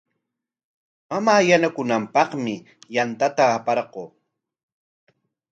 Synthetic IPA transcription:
mamaːjanakʊnampɑχmɪ | jant̪at̪aːpɑɾɢoː

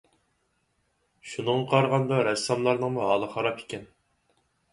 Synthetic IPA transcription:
ʃunəɴɑqʰɑɾʁɑnd̪ɑɾɛsːɑmlˠɑɾnəŋmuɦɑlˠəχɑɾɑpʰe̥kʲɛn

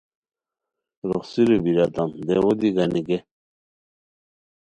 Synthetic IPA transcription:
ɾoχsiɾubiɾat̪and̪ewod̪iɡaniɡe

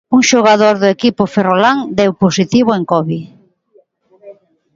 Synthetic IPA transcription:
uŋʃoɣ̞aðoɾðʊekipʊferolaŋd̪ewposit̪iβʊeŋkɔβi

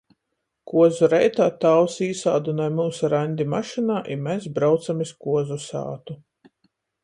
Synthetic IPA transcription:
kuɔzuɾɛjt̪aːt̪aːwsiːsaːd̪unajmuːsuɾanʲd̪ʲimaʃinaːʔimesbɾawt̪samiskuɔzusa̰ːt̪u

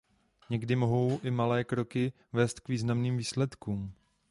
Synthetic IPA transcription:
ɲɛɡdɪmo̞ɦo̞wʔɪmalɛːkɾo̞kɪ | vɛːst̪kviːznamniːmviːslɛt̪kuːm

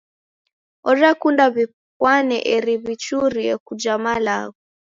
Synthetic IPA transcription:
ɔɾakundaβi | kwanɛ̰ʔɛɾiβit͡ʃuɾiɛkud͡ʒamalaɣɔ

